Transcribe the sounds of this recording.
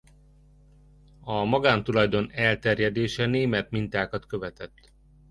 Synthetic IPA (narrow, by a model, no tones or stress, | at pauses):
ɒmɒɡaːnt̪ulɒjd̪o̞nɛlt̪ɛrjɛd̪eːʃɛneːmɛt̪mint̪aːkɒt̪kø̞vɛt̪ɛt̪ː